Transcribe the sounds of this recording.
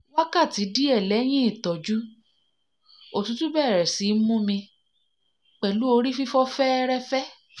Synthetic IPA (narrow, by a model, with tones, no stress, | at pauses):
wa˦ka˦˨ti˨˦di˦ɛ˦˨lɛ˨˦j̃ĩ˦i˦˨tɔ˨d͡ʒu˦ | o˨tũ˨˦tũ˦bɛ˦˨ɾɛ˨si˨˦mũ˦mĩ˧ | k͡pɛ˨lu˨˦o˧ɾi˦fi˦fɔ˦fɛ˦ɾɛ˦fɛ˦